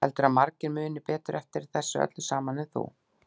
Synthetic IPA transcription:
ɛ̰lt̪ʏɾaðmaɾcɪɾmʏːnɪpɛːt̪ʏɾʔɛft̪ɪɾθɛsːʏœ̰t̪lʏsaːmanːɪθṵ

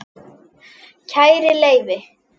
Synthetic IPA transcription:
cʰajɾɪleːjvɪ

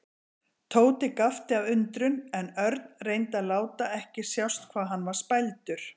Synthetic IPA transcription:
t̪ʰoːwt̪ɪkaft̪ɪavʏnt̪ɾʏnɛnœɾt̪nrejnt̪aðlaːwt̪aɛhcɪsjawst̪kʰvaːðɦanːvaɾ̥spajlt̪ʏɾ̥

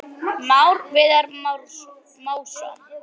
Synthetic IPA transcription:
mawɾvɪːðaɾm | mawsɔ̰n

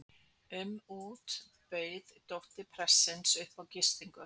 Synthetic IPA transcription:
ʏmuːt̪ | peɥðt̪oht̪ɪpʰɾɛsɪnsœhpawcɪst̪iŋkʏ

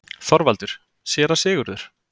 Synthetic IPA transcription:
θɔɾvalt̪ʏɾ̥ | sjɛːɾasɪːɣʏɾðʏɾ̥

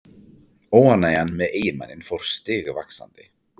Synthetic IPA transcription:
oːwanajanmɛðeːjɪnma̰nːɪnfowɾ̥st̪ɪːɣʏvaksa̰nt̪ɪ

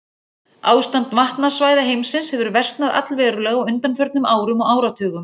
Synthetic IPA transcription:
aːwst̪ant̪maht̪nasvaːjðaɦejmsɪnshɛvʏɾvɛr̥t̪naða̰t̪lvɛːɾʏɾlɛɣaʏnt̪anfœɾt̪nʏmaːwɾʏmɔaːwɾat̪ʰʏːɣʏm

